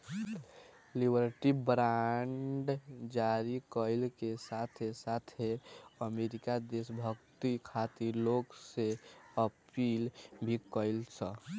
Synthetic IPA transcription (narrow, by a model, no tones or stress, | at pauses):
libəɾʈibɾaɳɖd͡ʒaɾikəɪlkesat̪ʰesat̪ʰeəmeɾikad̪esbʱəkt̪ikʰat̪iɾloɡseəpilbʱikəɪlsə